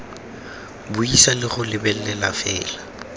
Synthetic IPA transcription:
bʊisalɪɣʊlɪbɛlːɛlafɛːla

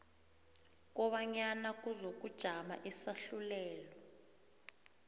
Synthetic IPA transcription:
k̬ʼɔɓaɲanak̬ʼuzok̬ʼud̥ʒ̥ʱama̰ʔɛsaɬulɛːlɔ

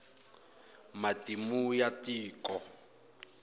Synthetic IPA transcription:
matimujatʼiːkʼɔ

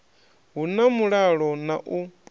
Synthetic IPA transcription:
ɦunamuɺaɺɔnaʔu

